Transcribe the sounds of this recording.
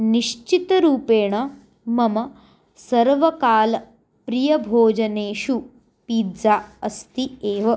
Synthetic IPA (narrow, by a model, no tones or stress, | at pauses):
niʃt͡ʃit̪ɾuːpeːɳ̃ɐ | mɐmɐ | sɐɾʋɐkaːl | pɾijɐbʱoːd͡ʒɐneːʃu | piːd̪d͡zaɐst̪ieːʋɐ